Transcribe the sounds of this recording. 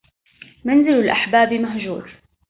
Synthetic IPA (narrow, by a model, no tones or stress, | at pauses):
manzɪlalʔaħbaːbimaɦd͡ʒṵːɾ